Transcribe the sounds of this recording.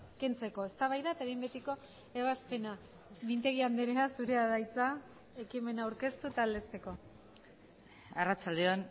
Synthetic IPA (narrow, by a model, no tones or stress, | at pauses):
ke̞nt͡se̞ko̞e̞st̪aβajðaet̪aβimbet̪iko̞ | e̞βaspe̞na | mint̪e̞ɣ̞iand̪eɾeasuɾeaðajt͡sa | e̞kime̞naːwɾke̞st̪ut̪ald̪e̞st̪e̞ko̞ | arat͡sald̪eon